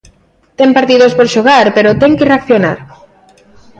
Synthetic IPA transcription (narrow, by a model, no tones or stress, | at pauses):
t̪ɛmpaɾt̪iðospoɾʃoɣaɾpeɾot̪ɛŋkɪreakθjonaɾ